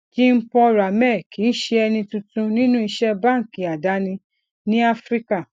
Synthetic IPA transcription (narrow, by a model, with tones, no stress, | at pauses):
ki˦m̩˦pɔ˧ɾa˨mɛ˦˨ki˨˦n̩˦ʃe˧ɛ˧nĩ˧tũ˧tũ˧nĩ˦nũ˦i˧ʃɛ˦bã˦˨ŋ̩˨ki˨a˨da˨˦nĩ˧ | nĩ˦a˦fɾi˦ka˦˨